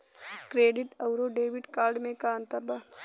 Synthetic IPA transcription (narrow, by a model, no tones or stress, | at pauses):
kɾeːɖɪʈɐwɾoɖeːʋɪʈkaːɾɖmẽkaːnt̪ɐba